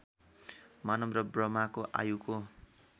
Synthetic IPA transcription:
manʌmrʌbrʌmakoʔa̰juko

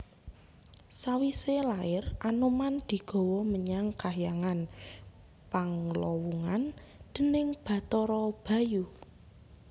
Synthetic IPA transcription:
sawiselaɪrʔanumand̪̥i̤ɡ̥ɔ̤wɔməɲaŋkaɦjaŋan | paŋlɔwuŋan | d̪̥ə̤nɪŋb̥ä̤t̪ɔɾɔb̥a̤ju

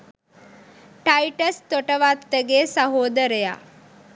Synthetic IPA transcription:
ʈajʈəst̪oʈəʋat̪ːəɡeːsaɦoːd̪əɾeja̰ː

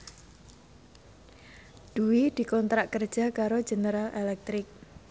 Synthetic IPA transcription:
d̥uwid̪̥i̤kɔnt̪ɾaʔkər̥ʒ̥a̤kaɾo̥ʒ̥e̤nəɾalelɛk̚t̪ɾɪk̚

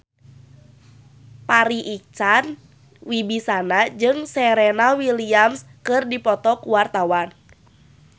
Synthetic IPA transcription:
paɾiʔik̚t͡ʃan | wibisanad͡ʒɨŋsɛɾɛnawiliamskɨrdipɔt̪ɔkuwart̪awan

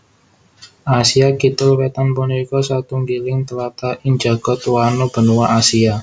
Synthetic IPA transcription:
ʔasiakit̪ʊlwet̪anpuneɾikɔsat̪uŋɡilɪŋt̪əlat̪aʔɪŋd͡ʒa̤ɡ̥ɔ̤t̪wanob̥ə̤nuwaʔasia

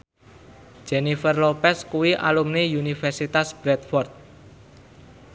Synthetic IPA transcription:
d͡ʒ̥ɛnifərlopɛskuwiʔa̰lumnejunifɛrsit̪asb̥ɾɛt̪̚fɔrt̪̚

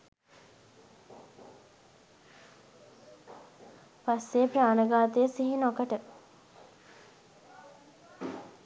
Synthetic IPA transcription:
pasːejpɾaːnəɡaːt̪əjəsiɦinokəʈə

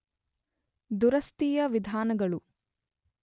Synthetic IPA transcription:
d̪uɾɐst̪ijɐʋid̪ʱaːnɐɡɐɭu

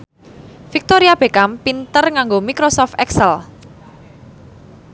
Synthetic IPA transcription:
fik̚t̪oɾiab̥e̤kampint̪ərŋaŋɡomikɾosɔft̪ɛksəl

